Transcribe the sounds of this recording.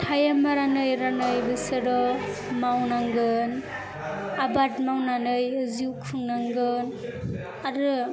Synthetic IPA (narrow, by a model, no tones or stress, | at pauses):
tʰajamaɾanɯjɾanɯjbɯsɯɾɔ | mawnaŋɡɯn | abatmawnanɯjziwkʰuŋnaŋɡɯn | aɾɯ